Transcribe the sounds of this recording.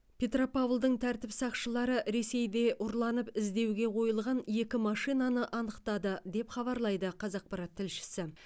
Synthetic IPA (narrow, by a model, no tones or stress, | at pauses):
pʰʲe̞t̪ropavlˠd̪əɴt̪ʰæɾt̪ɪpsɑqʃəlˠɑɾəʔɾe̞se̞jd̪e̞ʔʊɾlˠɑnəpɪzd̪e̞wɡʲe̞qʰo̞jəlˠʁɑnje̞kʲɪmɑʃijnɑnəʔɑnəqt̪ɑd̪əd̪e̞pχɑβɑɾlˠɑjd̪əqʰɑzɑq̚pɑɾɑt̪ʰːɪlʃɪ̥sɪ